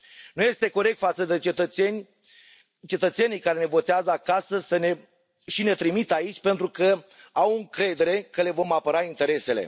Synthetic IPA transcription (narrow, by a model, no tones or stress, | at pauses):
nuje̞st̪e̞ko̞ɾek̚t̪fat̪səd̪e̞t͡ʃet̪ət̪enʲ | t͡ʃe̞t̪ət̪se̞nijkaɾe̞ne̞vo̞t̪eazəakasəsəne | ʃine̞t̪ɾimit̪ait͡ʃʲpe̞nt̪ɾukə | awɨŋkɾe̞d̪e̞ɾe̞kəle̞vo̞mapəɾaint̪e̞ɾe̞se̞le̞̰